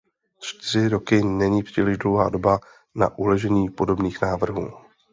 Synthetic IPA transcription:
t͡ʃt̪ɪr̝ɪɾo̞kɪnɛɲiːpr̝̥iːlɪʒdlo̞wɦaːdo̞ba | na̰ʔulɛʒɛɲiːpo̞do̞bniːxnaːvr̩ɦuː

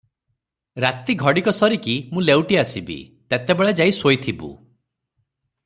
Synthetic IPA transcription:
ɾat̪iɡʱɔɽikɔsɔɾikimũlewʈiasibḭt̪at̪ebeɭed͡ʒaisojt̪ʰibṵ

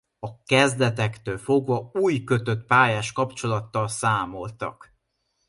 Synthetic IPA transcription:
ɒkɛzd̪ɛt̪ɛkt̪øːlfo̞ɡvɒuːjkø̞t̪ø̞t̪paːjaːʃkɒpt͡ʃo̞lɒt̪ːɒlsaːmo̞lt̪ɒ̰k

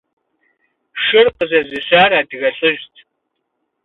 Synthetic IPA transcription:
ʃɨrqəzɐzɨɕaːraːdɨɣɐɬʼɨʒtʰ

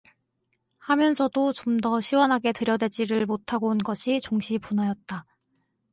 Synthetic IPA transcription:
hamjʌnsʰʌdot͡ɕomdʌɕʰiwʌnɦaɡe̞tɯɾjʌdwe̞d͡ʑiɾɯɭmotʰaɡoɯnɡʌɕʰit͡ɕoŋɕʰipunajʌt̚t͈a

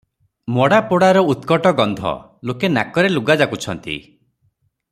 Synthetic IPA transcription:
mɔɽapoɽaɾɔut̪kɔʈɔɡɔnd̪ʱɔ̰ | lokena̰kɔɾeluɡad͡ʒakut͡ʃʰɔnt̪ḭ

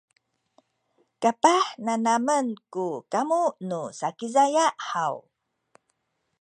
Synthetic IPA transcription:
kapahnanamənkukamuʔnusakizajaʔhaw

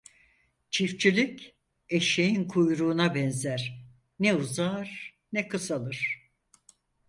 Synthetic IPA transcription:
t͡ʃʰift͡ʃʰilʲic | eʃejinkʰujɾuːnabɛnzæɾ̥ | nɛuzaːɾ | nɛkʰɯsalˠɯɾ̥

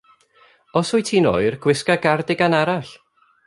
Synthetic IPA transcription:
ɔsʊjtʰiːno̰ːɨrɡ̥wɪskaɡardɪɡanaɾaɬ

